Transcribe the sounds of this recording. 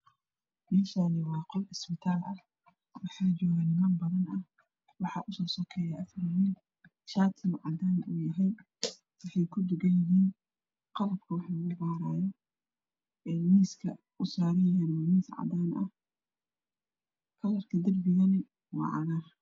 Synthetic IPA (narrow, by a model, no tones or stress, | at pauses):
mɛːʃaːðɪwɑːqɔlʔɪsbɪt̪ʰaːlʔɐ | wɑħɑːd͡ʒɔːɣanɪmaːnbɐðɐnɐ | wɑħɑːʔʊsɔːsɔkʰɛːjaʔɐfɾɪɦiːn | ʃaːt̪ʰɪlʕɑ̰d̪aːnʔuːjɐɦɛj | wɑħɑjkʰʊd̪ʊɡɐjjɪɦiːn | qɑlɐb̚kʰɐwɑħɑnɐbaːɾaːjɔ | ɛːmiːskʰɐ̰ | ʔʊsaːɾɐjɐjaːnɔmiːsʕɑ̰d̪aːnʔɐ̰h | kʰɐlɐrkʰɐd̪ɐrbɪɣɐnɪ | wɑ̰ːʕɑ̰naː